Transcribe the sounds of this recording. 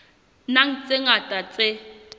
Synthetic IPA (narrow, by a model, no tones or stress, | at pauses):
naŋ̩t͡sʼeŋatʼat͡sʼe